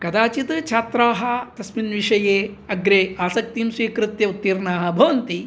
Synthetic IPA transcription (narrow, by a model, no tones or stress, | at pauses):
kɐd̪aːt͡ʃit̪t͡ʃʰaːt̪ɾaːɦɐ̆t̪ɐsminʋiʂɐjeːɐɡɾeːaːsɐk̚t̪imsʋiːkɾɨt̪jɐut̪ːiːɾnaːɦɐ̆bʱɐʋɐnt̪i